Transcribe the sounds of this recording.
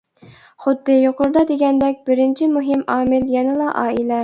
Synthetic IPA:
χʊd̪ːɨjoqʊɾd̪ɑd̪eɡʲɛnd̪ɛk̚ʲbɪɾɪnt͡ʃʰimuɦɪmɑːmɪljɑnɨlˠɑʔɑːilɛ

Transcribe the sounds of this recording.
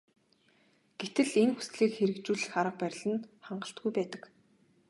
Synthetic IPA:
ɡ̥et̪ɘ̆ɮenxu̥sɮiːkxeɾɘ̆kt͡ɕuːɮχaɾə̆q̚pæɾʲɪ̆ɮɘ̆nχaɴɢə̆ɬt̪ɡujpæːt̪ə̆k

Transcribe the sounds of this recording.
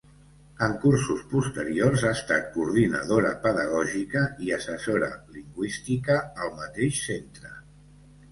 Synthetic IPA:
əŋkursuspust̪əɾiorzaəst̪a̰t̪̚kuɾð̞inə̰ðoɾə̰pəðəɣ̞ɔʒikəiəsəsoɾə̰liŋɡwist̪ikəːlˠmət̪eʃsent̪ɾə

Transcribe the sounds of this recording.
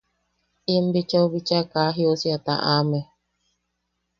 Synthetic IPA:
imbit͡ʃoβit͡ʃakaɦiosiat̪a̰ʔame

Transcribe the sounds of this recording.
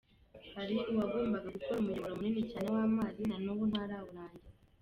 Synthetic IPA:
haɾiʔuwaɡwiːmbaɡaɡukoɾumujoβoɾamuninicaːne̞waːmaːzinanuβun̥haɾaβuɾaːɲɟe

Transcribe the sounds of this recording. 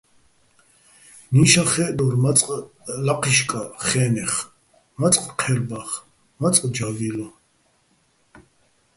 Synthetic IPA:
niʃaχɛːʔd̪ɔrmat͡sʼqʼlaqʰiʃkʼaχɛːnɛχ | mat͡sʼqʼqʰɛɾbaχ | mat͡sʼqʼd͡ʒavilɔ

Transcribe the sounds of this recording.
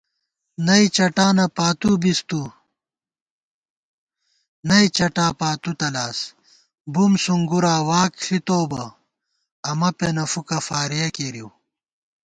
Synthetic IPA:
nɐit͡ɕɐʈaːnɐpaːt̪ubist̪u | nɐit͡ɕɐʈaːpaːt̪ut̪ɐlaːs | bumsuŋɡuɾaːwaːkɬit̪oːbɐ | ɐmɐpenɐfukɐfaːɾijɐkeɾiw

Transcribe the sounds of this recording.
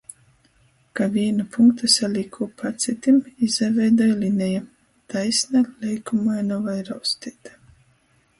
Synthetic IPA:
kavʲiɛnapuŋkt̪asalʲikʰuːpʰat̪sʲit̪ʲimizavʲɛjd̪ɔjlʲinʲɛja | t̪ajsʲnalʲɛjkumajnɔvajɾawst̪ʲit̪ḁ

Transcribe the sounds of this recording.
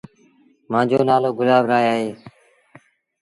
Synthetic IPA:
mãːd͡ʒoːnaːloːɡʊlaːʋɾaːjaːɦeː

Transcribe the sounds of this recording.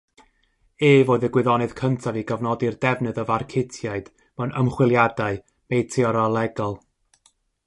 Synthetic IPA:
eːvoːðəɡwɪðɔnɨð̥kʰəntʰaviɡavnɔdirdɛvnɨðɔvarkʰɪtʰjaɨd̥ | manəmχwɪlˠjadaɨ | mejtʰɪɔɾalˠɛɡɔlˠ

